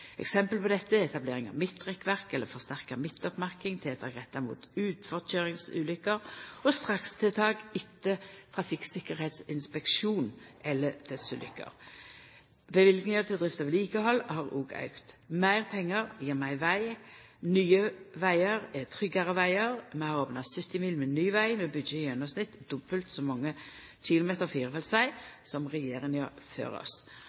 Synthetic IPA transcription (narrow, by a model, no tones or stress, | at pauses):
ɛ̰ksɛmpəlpɔd̪ɛt̪ːəɛt̪ɑbleːʁɪŋɑ̰mɪt̪ːʁɛkʋæʁkɛlːəfɔʁst̪æʁkəmɪt̪ːɔpmæʁkɪŋt̪ʰɪɛt̪ʰɑ̰ːɡʁɛt̪ːɑmṵːt̪ʉːt̪fɔʁçøːʁɪŋsʉ̰ːlʏkːəʁɔst̪ʁɑkst̪ʰɪt̪ʰɑːɡɪt̪ːət̪ʰʁɑfɪksɪkːəʁhɛːt̪sɪnspɛkʃuːnʔɛlːəd̪̥ʰœt̪sʉ̰ːlʏ̰kːə̰ʁ | bɛʋɪlɡnɪŋət̪ɛd̪ʁɪft̪əʋɪliːkəhɔlːhɑʁṵːɡɑ̰ʉkt̪mæɪʁpʰɛŋːəʁjiːʁmæɪʋæɪ | nyːəʋæɪəʁɛt̪ʰʁʏɡəʁəʋæɪəʁmɛhɑʁoːpnɑsʏt̪ːɪmiːlmɛnyːʋæɪmɛbʏd̪jəjœnɔsnɪt̪d̪ʊbəlt̪sɔmɑŋːə | çɪlʊmeːt̪əʁfiːʁəfɛlsʋæɪsɔmʁɛjeːʁɪŋjøːfø̰ːɾɔ̰s